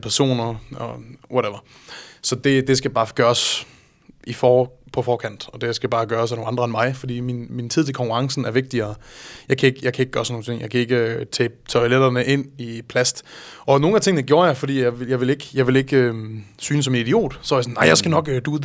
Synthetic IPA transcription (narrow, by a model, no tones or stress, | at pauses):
pʰæɐso̝̰ːnɐɒʋɒɾeʋɐ | sɒ̽d̥e̝d̥e̝sɡ̥æjb̥ɑ̈ːɡ̥ɶːɐs | ʔifɒːpʰɒ̽fɒːkʰæn̰d̥ɒ̽d̥e̝sɡ̥æb̥ɑ̈ːɡ̥ɶːɐsænonɑnd̥ʁɐenmɑ̈ɪfɒd̥ḭːminmint͡sʰið̰ˠt͡sʰekʰɒ̽ŋkuʁɑ̈ŋsn̩æɐʋe̝ɡ̥̚d̥iɐːjɑ̈ɪkʰæe̝ɡ̥jɑ̈ɪkʰæe̝ɡ̥ə̥ɡ̥ɶɐsnoŋ̩t͡sʰe̝ŋ̰jɑɪkʰæe̝ɡ̥ət͡sʰɛ̰ːt͡sʰɒɪled̥ɐnəʔe̝n̰ipʰlæsd̥ɒ̽no̝ːn̩æt͡sʰe̝ŋnəɡ̥jo̝ːɐjɑ̈ɪfɒd̥ḭːjɑɪʋejɑ̈ɪʋe̝le̝ɡ̥jɑ̈ɪʋe̝leɡ̥øsyːnəs̬ɒ̽menid̥io̝̰ːd̥sɒjɐsɔnːɑ̈ɪjɑ̈ɪsɡ̥ænɒ̽ɡ̥d̥uːðˠ